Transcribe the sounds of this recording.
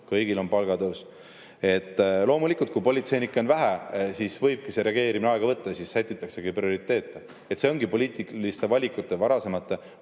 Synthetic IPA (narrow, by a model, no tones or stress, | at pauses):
kɤjɡilo̞npɑlɡɑd̪ɤws | e̞t̪ːlo̞ːmulikːˑult̪̚kupo̞lʲit̪se̞jnikːˑo̞nvæɦæsisvɤjb̥̚kise̞ɾe̞ɑɡe̞ːɾimineɑeɡ̥ɑvɤt̪ːɑjɑsisːæjt̪ːˑit̪ːˑɑkseɡejprio̞ɾit̪ˑːe̞ːt̪ːˑe | et̪se̞o̞ŋɡipo̞lʲiːt̪ˑilist̪e̞vɑlʲikut̪ˑːe̞vɑɾɑse̞mɑt̪ːˑe̞